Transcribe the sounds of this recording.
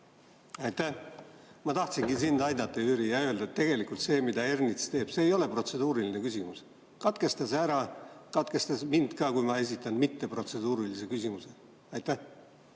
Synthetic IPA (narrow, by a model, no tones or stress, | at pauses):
ɑjt̪æ | mɑt̪ɑht̪sinɡinsind̪̥ɑjd̪ɑt̪ˑːɑyːɾijɑø̞ld̪ɑet̪ːe̞ɡ̥e̞likult̪se̞ːmid̪ɑe̞rnit̪st̪e̞ːb̥se̞ːjo̞le̞pro̞t̪se̞d̪uːɾiline̞kysimus | kɑt̪ke̞st̪ɑsæɾɑkɑt̪ke̞st̪ɑsmind̪̥kɑkujmɑe̞s̬ʲit̪ˑːɑnmit̪ːe̞pro̞t̪se̞d̪uːɾilise̞kysimuse̞ | ɑjt̪æ